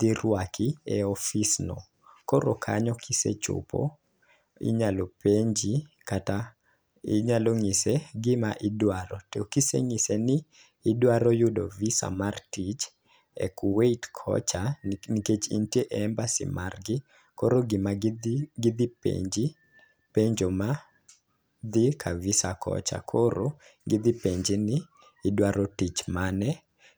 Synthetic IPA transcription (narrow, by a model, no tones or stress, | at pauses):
d̪iɾwakʰiɛɔfisnɔ̰ | kɔɾokʰa̰ɲɔkʰisḛt͡ʃʊ̰pɔ̰ | ḭɲalɔpeɲd͡ʒi | kata | ɪɲaloŋiseɡɪmaʔɪdwaɾɔtkisḛŋɪsenɪː | dwaɾɔjʊdɔvisa̰martit͡ʃ | ɛ̰kʊweitkʰɔ̰t͡ʃaniket͡ʃḭntieʔɛmbasɪ̰marɡɪ | koɾoɡɪmaɡɪd̪ɪpḛɲd͡ʒɪ | peɲd͡ʒoma | d̪ɪkʰavɪsakʰɔ̰t͡ʃa̰kʰoɾo | ɡɪd̪ɪpeɲd͡ʒɪnɪː | dwaɾɔtit͡ʃmanɛ